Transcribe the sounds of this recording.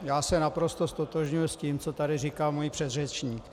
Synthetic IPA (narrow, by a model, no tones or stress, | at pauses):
jaːsɛnapɾo̞st̪ost̪ot̪oʒɲujʊsciːmt͡so̞t̪adɪrikalmojipr̝̥ɛd̪rɛt͡ʃɲiːk